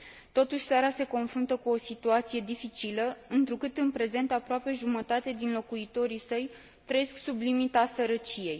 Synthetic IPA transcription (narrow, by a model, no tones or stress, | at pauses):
t̪o̞t̪uʃʲsaɾase̞ko̞nfɾunt̪əkuo̞sit̪uat̪sije̞d̪ifit͡ʃiləɨnt̪ɾukɨt̪ɨnpɾe̞ze̞nt̪apɾoape̞ʒumət̪at̪e̞d̪inlo̞kuit̪o̞ɾisəj | t̪ɾəje̞sksublimit̪asəɾət͡ʃije̞j